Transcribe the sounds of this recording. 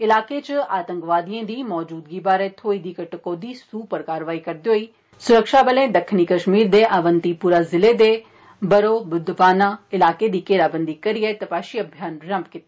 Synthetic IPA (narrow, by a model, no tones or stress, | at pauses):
ɪlaːkeːt͡ʃaːt̪ə̃ŋkʋaːd̪ijẽːd̪iːmɔːd͡ʒuːd̪ɡiːbaːɾeːt̪ʰoːiːd̪iːkəʈəkːoːd̪iːsuːpəɾkaːɾʋaːiːkəɾd̪eoːiː | sʊɾəkʃaːbəlẽːd̪əkʰniːkəʃmiːɾd̪eːʔaːʋənt̪iːpuːɾaːzɪleːd̪eː | bəɾoːbʊd̪ʋaːnaːɪlaːkeːd̪iːkeːɾaːbənd̪iːkəɾiɛːt̪ɐpaːʃiːəbʱjaːnɾəmpkɪt̪e